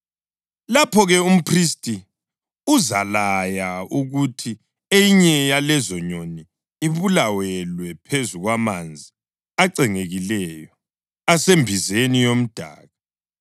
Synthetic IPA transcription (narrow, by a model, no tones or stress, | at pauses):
lapʰɔɣɛum̩pʰristʼi | uzalajauɣutʰi | eiɲɛjalɛzɔɲoniː | βulawɛlwɛpʰezuɣwamand͡zʱi | aǀɛŋeɣilɛjɔ | asembʱizenijom̩d̥ʱa̰ːɣa